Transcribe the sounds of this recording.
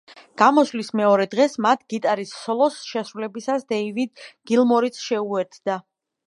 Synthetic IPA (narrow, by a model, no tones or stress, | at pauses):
ɡ̥amɔslismɛɔɾɛd̪ʁɛsmat̪ʰɡ̥it̪ʼaɾisːɔlˠɔsʃɛsɾulɛbisasd̪ɛivid̪ɡ̥ilˠmɔɾit̪sʰʃɛuɛɾt̪ʰd̪a